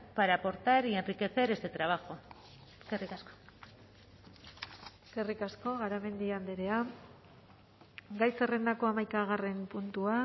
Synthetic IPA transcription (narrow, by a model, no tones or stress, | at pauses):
paɾapo̞ɾt̪aɾienrike̞θeɾe̞st̪e̞t̪ɾaβ̞axo̞ | eskerikasko̥ | eske̞rikasko̞ɣaɾame̞nd̪iand̪eɾe̞a | ɡajse̞re̞nd̪ako̞amajkaɣ̞are̞mpunt̪ua